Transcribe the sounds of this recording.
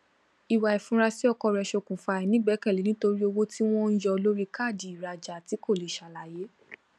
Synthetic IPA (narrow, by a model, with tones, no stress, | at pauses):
i˨wa˨ɛ˨fũ˨˦ɾa˧si˦ɔ˧kɔ˧˨ɾɛ˧ʃo˧kũ˨fa˧˨ɛ˨nĩ˨˦ɡ͡bɛ˨˦kɛ˦˨li˨nĩ˦to˧ɾi˦o˧wo˦ti˦w̃ɔ̃˦n̩˦d͡ʒɔ˧lo˦ɾi˦ka˦˨di˨i˨ɾa˨˧d͡ʒa˨ti˨˦ko˦˨li˨ʃa˨la˨je˨˦